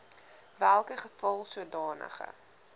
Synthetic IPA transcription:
vælˠkəχəfɐlˠsuədɑːnʔə̰χə̰

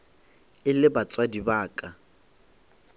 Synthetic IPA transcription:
ɪlɪbat͡sʼwadibaːkʼa

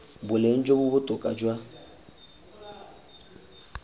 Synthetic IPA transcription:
bʊlen̩d͡ʒobʊbʊtʼʊkʼad͡ʒwa

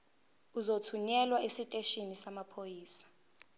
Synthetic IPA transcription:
uzotʰuɲɛlwaesitʼeʃinisamapʰojiːsḁ

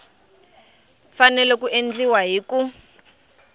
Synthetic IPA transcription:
fanɛlɛkuʔend͡ɮiwaɦiːku

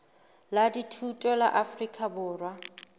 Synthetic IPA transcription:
laditʰutʼɔla̰ʔafrikʼabʊːrwa

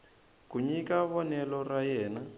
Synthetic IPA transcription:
kuɲikaβɔnɛlɔrajɛːna

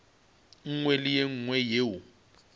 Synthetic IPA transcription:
ŋ̩ŋwɛlɪjeŋ̩ŋwɛjeːwu

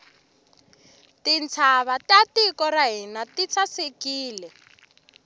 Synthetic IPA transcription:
tint͡sʰaβatatikɔɾaɦinatit͡sʰasekiːlɛ

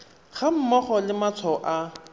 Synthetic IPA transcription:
χam̩mɔχɔlɪmat͡sʰɔʔa

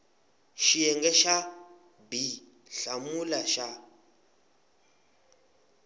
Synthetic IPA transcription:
ʃijɛŋɡɛʃa | bi | ɬamulaʃa

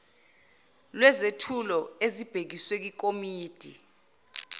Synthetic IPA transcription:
lwɛzetʰulɔezib̥ʱek̬iswek̬ik̬omiːd̥ʱḭ

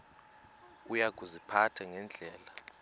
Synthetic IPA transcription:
ujaɡ̥ʱuzipʰatʰaŋɛnd͡ɮʱɛːla

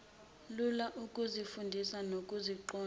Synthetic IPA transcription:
lulaʔukʼuzifundʱisanokʼuziǃɔː

